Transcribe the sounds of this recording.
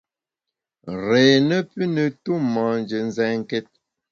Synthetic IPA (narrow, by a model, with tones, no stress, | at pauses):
ɾɛː˨nə˦pə˦nə˨tu˦mã˨nd͡ʒə˨n̩˨zɛ˨ŋ˦˨kɛ˦t̚